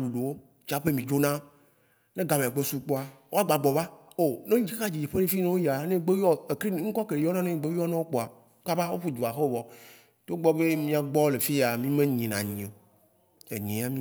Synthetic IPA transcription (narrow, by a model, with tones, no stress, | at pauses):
u˨ɖo˨wo˦ | t͡ʃa˨˦ɸe˦mĩ˨d͡ʒo˦nã˦ | nẽ˦ɡa˨mẽ˨a˨ɡ͡be˦su˦k͡po˦a˨wʔo˦a˦ɡ͡ba˨ɡ͡bɔ˨ba˦ | o˦˨nẽ˦ɲ˦d͡ʒi˦e˦ka˦d͡ʑi˨d͡ʒe˨ɸe˦ne˦fi˦nẽ˦wo˦ja˨˦nẽ˦ɡ͡be˦wi˦ɔ˦e˨kɾi˦ŋ̩˦kɔ˦ke˨ɖe˨˦ɔ˦nã˦nẽ˦ɲĩ˨ɡ͡be˦wi˦ɔ˦nã˦wo˦k͡po˨a˨ | ka˦ba˦wo˦ɸu˦d̪u˨a˨xe˦vɔ˨ | t̪o˦ɡ͡bɔ˦be˦mĩ˦a˨ɡ͡bɔ˦le˨fi˦ja˨mĩ˦mẽ˦ɲĩ˨nã̰˨ɲ˨ẽ˨ | ḛ˨ɲĩ˨a˦mĩ˦